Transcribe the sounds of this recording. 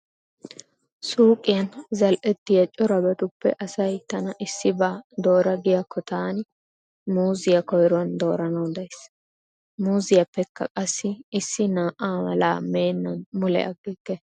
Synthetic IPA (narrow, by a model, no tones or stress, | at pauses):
suːkʼɪjɐnzɐlʔɛt̪ːɪjɐt͡ʃʼːɔɾɐbɐt̪ʊpːɛ̰ʔɐsɐjt̪ɐnɐʔɪsːɪbaːd̪o̞ːɾɐɡɪjakːɔt̪aːn | muːzɪjɐkɔjɾʊɐnd̪o̞ːɾɐnɐd̪ɐjs | muːzɪjɐpːɛkːɐ̰kʼɐsːɪɪsːɪnaːʔaːmɐ̰la̰ːme̞ːnːɐnmʊlɛ̰ʔɐɡːɪkːɛ